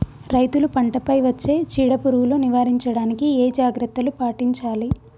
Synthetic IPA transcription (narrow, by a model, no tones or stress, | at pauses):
ɾɐjt̪ulupɐɳʈɐpɐjʋɐt͡ʃːe̞ːt͡ʃiːɽɐpuɾuwuloːniʋaːɾiɲt͡ʃɐɽaːnikieːd͡ʒaːɡɾɐt̪ːɐlupaːʈiɲt͡ʃaːli